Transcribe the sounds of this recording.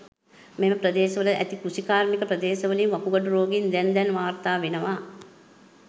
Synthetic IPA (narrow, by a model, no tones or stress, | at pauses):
meməpɾəd̪eːʃəʋələʔæ̰t̪ikusikaːɾmikəpɾɐd̪eːʃɐʋəlinʋɐpuɡɐʈuɾoːɡind̪ɛnd̪ɛnʋaːɾt̪aːʋenəʋaː